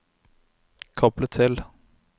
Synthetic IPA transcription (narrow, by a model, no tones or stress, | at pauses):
kʰɑplət̪ʰɪl